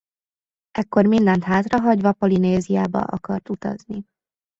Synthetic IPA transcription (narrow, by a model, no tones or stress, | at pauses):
ʔɛkːo̞rmind̪ɛnt̪ɦaːt̪rɒɦɒɟvɒpolineːzijaːbɒ̰ʔɒkɒrt̪ut̪ɒ̰zni